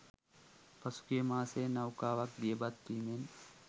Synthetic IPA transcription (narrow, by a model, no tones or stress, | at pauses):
pɐsu̥kiemaːsenɐwkaːʋɐk̚d̪ijebɐd̪p̪iːmen